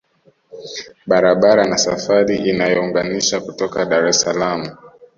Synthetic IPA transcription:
ɓaɾaɓaɾanasafaɾiʔinajɔuŋɡaniʃakutɔkaɗaɾɛsalamu

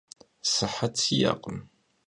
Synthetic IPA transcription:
səħːat͡sija̰qəm

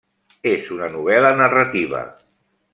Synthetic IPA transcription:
ezunənuβ̞ɛlənərat̪iβ̞ə̰

